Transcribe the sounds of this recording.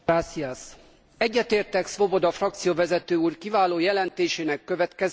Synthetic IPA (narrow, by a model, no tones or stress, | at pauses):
aːsiɛs | ɛɟːɛt̪eːrt̪ɛksʋo̞bo̞d̪ɒfrɒk̚t̪sijovɛzɛt̪øːuːrkivaːloːjɛlɛnt̪eːʃeːnɛkːøvɛt̪kɛz